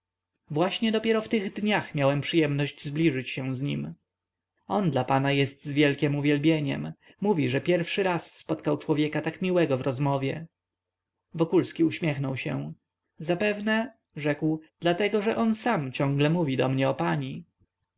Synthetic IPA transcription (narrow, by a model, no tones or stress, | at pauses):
vwaɕɲɛd̪ɔpʲjɛɾɔft̪ɘɣd̪ɲaxmʲjawɛmpʂɨjɛmnɔʑd͡ʑzblʲiʐɘt͡ɕɕɛ̃zɲḭm | ɔnd̪lapanajɛst̪zvʲjɛlkʲɛmuvʲjɛlbʲjeɲɛ̰mː | uvʲiʐɛpʲjɛɾfʂɘɾasːpɔt̪kawt͡ʂwɔvʲjɛkat̪akmʲiwɛɡɔvɾɔzmɔvʲjɛ | vɔkulskʲiuɕmʲjɛxnɔwɕɛ̰̃ | zapɛvnɛ | ʐɛkwd̪̥lat̪ɛɡɔʐɛʔɔnsamt͡ɕɔ̃ŋɡlɛmuvʲid̪ɔmɲɛɔpaɲi